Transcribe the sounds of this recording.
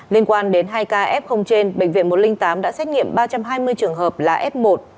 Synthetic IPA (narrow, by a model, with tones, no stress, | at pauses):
li˧ənkwaː˧nɗe˨˦nɦaː˧jkaː˧ʔɛ˦˥p̚xə˧wŋ͡mt͡ɕe˧nɓə̰˧˨ŋ̟vḭ˧˨ənmo˨˩t̚lï˧ŋ̟t̪aː˨˦mɗa̰ː˧˥sɛ˦˥t̚ŋḭ˧˨əmɓaː˧t͡ɕa˧mɦaː˧jmɨ˧əjt͡ɕɨ˨˩əŋɦəː˨˩p̚laː˨˩ʔɛ˦˥p̚mo˨˩t̚